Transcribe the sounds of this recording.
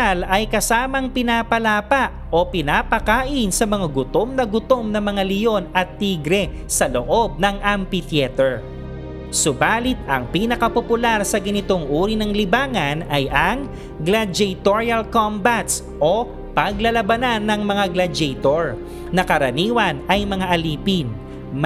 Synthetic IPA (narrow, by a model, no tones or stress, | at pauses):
alɐjkɐsaːmɐŋpɪnaːpɐlaːpɐʔ | o̞pɪnaːpɐkaːʔɪnsɐmɐŋaɡʊt̪o̞mnɐɡʊt̪o̞mnɐmɐŋalɪjo̞nɐt̪ːiːɡɾɛ | sɐloʔo̞b̚nɐŋʔampit̪jɛt̪ɛɹ | sʊbaːlɪt̪̚ɐŋpiːnɐkɐpopʊlaɾsɐɡɐnɪt̪o̞ŋʔuːɾinɐŋlɪbaːŋɐnɐjʔɐŋ | ɡlɐd͡ʒɛjt̪oɹiɐlkombat̪s | ʔo̞ | pɐɡlɐlɐbɐnanːɐŋmɐŋaɡlɐd͡ʒɛjt̪oɹ | nɐkɐɾɐniːwɐnʔɐjmɐŋaʔɐliːpɪn